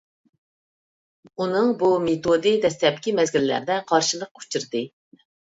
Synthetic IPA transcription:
unɨŋbumet̪od̪ɨd̪ɛst̪ɛp̚kʲʰimɛzɡʲilɪlæ̰ɾd̪ɛqʰɑɾʃɨlˠəq̚u̥t͡ʃʰiɾd̪ɨ

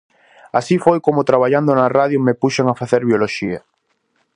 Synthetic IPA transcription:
asifojkomʊt̪ɾaβaʎand̪onaraðjomepuʃeŋafaθeɾβjoloʃia

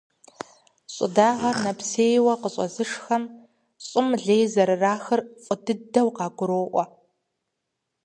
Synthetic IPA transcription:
ɕʼɪ̰daːʁɐrnɐpʰseːjwɐqəɕʼɔ̰zɨʂxɐm | ɕʼɪmɮeːjzɐɾɨraːxɨrfʼʊdɨdɐwqɑːɡʷʊɾoːʔʷɔ

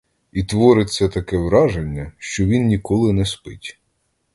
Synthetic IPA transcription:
it̪ʋɔɾɪt͡sʲːɐt̪ɐkɛʋɾɑʒenʲːɐʃt͡ʃɔʋʲinnʲikɔlˠɪnɛspɪtʲ

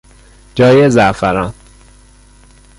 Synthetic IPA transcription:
d͡ʒɒːjezæfæɾɒːn

